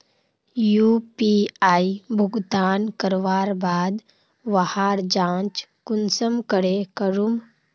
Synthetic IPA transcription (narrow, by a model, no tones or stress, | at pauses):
jupiaːibʱʊɡt̪aːnkəɾʋaːɾbaːd̪ | ʋahaːɾd͡ʒãːt͡ʃkʊnsəmkəɾekəɾum